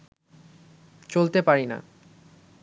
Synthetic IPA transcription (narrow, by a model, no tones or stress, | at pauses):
t͡ɕolt̪epaɾina̰